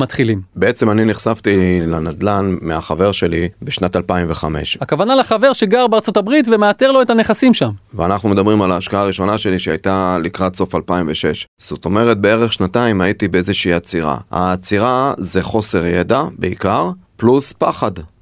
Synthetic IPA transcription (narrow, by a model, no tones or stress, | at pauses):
mat̪χilimbee̞t͡se̞maniniχsavt̪ilanad̪lanmeaχave̞ʁʃe̞libeʃnat̪alpaimve̞χame̞̰ʃakavanalaχave̞ʁʃeɡaʁbeaʁt͡sotabʁitvemeateʁlo̞etane̞χasimʃamveanaχnume̞d̪abʁimalaːʃkaaːʁiʃo̞naʃe̞liʃeajtalikʁatso̞falpaimveʃe̞ʃz̥ot̪o̞me̞ʁet̚be̞eʁeχʃnataimaitibeezeʃiːat͡siʁa̰ha̰ːt͡siʁaze̞χo̞se̞ʁjedabeikaʁpluspaχad